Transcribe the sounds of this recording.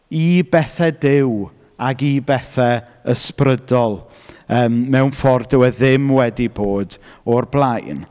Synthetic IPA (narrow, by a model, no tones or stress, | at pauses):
ibɛθɛdɪw | aɡibɛθɛ | əsprədɔlˠ | əːmmɛwnfɔrdəwɛðɪmwɛdiboːdɔrblˠajn